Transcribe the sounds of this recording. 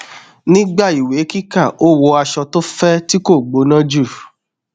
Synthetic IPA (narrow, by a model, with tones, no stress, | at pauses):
nĩ˦ɡ͡ba˦˨i˨we˨˦ki˦ka˦˨o˦wo˧˦a˧ʃɔ˧to˦fɛ˦ti˦ko˦˨ɡ͡bo˨˦nã˦d͡ʒu˦˨